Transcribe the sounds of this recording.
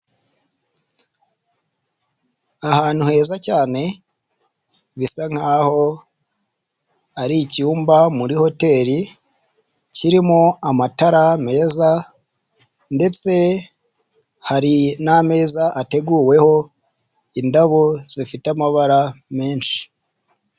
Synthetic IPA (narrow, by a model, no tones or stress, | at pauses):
ahaːn̥huhe̞ːzacaːne̞ | βisaŋ̥haːho̞ | aɾicuːmbamuɾiho̞te̞ːɾi | ciɾimoamataɾame̞ːza | nde̞t͡se̞ | haɾiname̞ːzaʔate̞ɡuːwe̞ho̞ | indaβoz̥ifitamaβaɾame̞ːnʃi̥